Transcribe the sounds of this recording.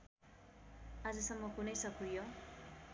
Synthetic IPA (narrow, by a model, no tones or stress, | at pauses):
ʌd͡zʌsʌmːʌkunʌjsʌkʰujo